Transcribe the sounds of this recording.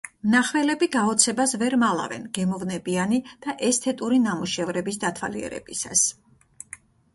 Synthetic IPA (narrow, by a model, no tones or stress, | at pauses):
mnaχvɛlɛbiɡaɔt̪sʰɛbasvɛɾmalˠa̰vɛ̰nɡɛmɔvnɛbianid̪̥aʔɛst̪ʰɛt̪ʼuɾinamuʃɛvɾɛbisd̪at̪ʰwa̰liɛ̰ɾɛ̰bisas